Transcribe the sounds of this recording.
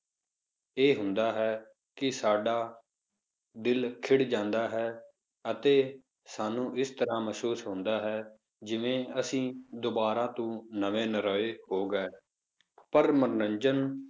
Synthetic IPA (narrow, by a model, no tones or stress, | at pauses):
eːɦʊ̃nd̪aːɦɛː | kɪsaːɖaː | d̪ɪlkʰɪɽd͡ʒãːnd̪aːɦɛː | ət̪eː | saːnũːʔɪst̪əɾãːməsuːsɦʊ̃nd̪aːɦɛː | d͡ʒɪʋẽːəsĩːd̪obaːɾãːt̪ũːnəʋeːnəɾɔːeːhoːɡɛː | pəɾməɾnəɲd͡ʒən